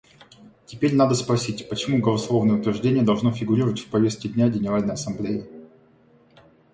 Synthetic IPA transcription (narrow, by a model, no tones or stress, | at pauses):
tʲɪpʲeɾʲnad̪əspɾɐsʲitʲpət͡ɕɪmuɡəlˠɐslˠo̞vnəjəʊt̪vʲɪrʐdʲenʲɪjəd̪ɐlˠʐno̞fʲɪɡʊɾʲiɾəvətʲfʲpɐvʲe̞st̪kʲɪdʲnʲæɡʲɪnʲɪɾalʲnəjɐsɐmblʲejɪ